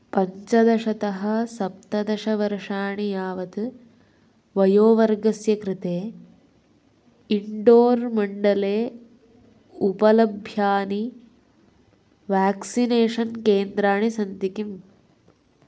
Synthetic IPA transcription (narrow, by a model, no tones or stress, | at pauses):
pɐɲt͡ʃɐd̪ɐʂɐt̪ɐɦɐsɐp̚t̪ɐd̪ɐʂɐʋɐɾʂaːɳijaːʋɐt̪ɨ | ʋɐjoːʋɐɾɡɐsjɐkɾit̪eː | iɳɖoːɾmɐɳɖɐleː | upɐlɐbʱjaːni | ʋaːksineːʂɐnkeːnd̪ɾaːɳisɐnt̪ikim